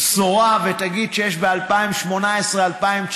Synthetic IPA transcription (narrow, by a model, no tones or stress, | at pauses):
soʁavet̪aɡid̪̚ʃejɛʃbealpaimʃmo̞naesʁealpaimt͡ʃ